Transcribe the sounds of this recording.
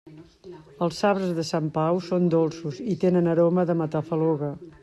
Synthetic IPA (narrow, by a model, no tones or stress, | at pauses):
əlˠsaβɾəzðəsampawsond̪olˠsuzit̪enənəɾoməðəmət̪afəloɣə